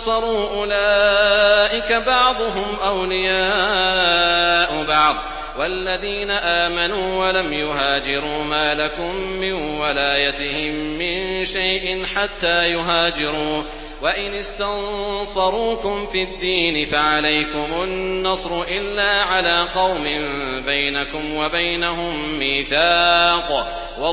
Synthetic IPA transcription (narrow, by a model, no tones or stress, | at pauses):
sˤɑɾˤuːʔʊlaːʔɪkabɑʕd̪ˤʊɦʊmʔawlɪjaː | ʔʊbɑʕd̪ˤ | walːaðiːnaʔaːmanuːwalamjʊɦaːd͡ʒɪɾuːmaːlakʊmːɪnwalaːjat̪ɪhɪmːɪnʃajʔɪnħat̪ːaːjʊɦaːd͡ʒɪɾuː | waʔɪnɪst̪ansɑɾˤuːkʊmfid̪ːiːnɪfaʕalajkʊmʊnːɑsˤɾʊʔɪlːaːʕalaːqɑwmɪmbajnakʊmwabajnaɦʊmːiːθaːq | wɑ